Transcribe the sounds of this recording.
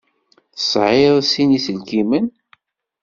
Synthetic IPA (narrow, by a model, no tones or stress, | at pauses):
θə̥sʕeðˤsinisəlkimən